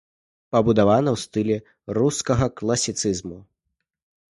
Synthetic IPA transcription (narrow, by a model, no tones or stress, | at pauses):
pɐbud̪avanɐwst̪ɨlʲɛ | ruskɐɣɐklˠɐsʲit̪sɨzmu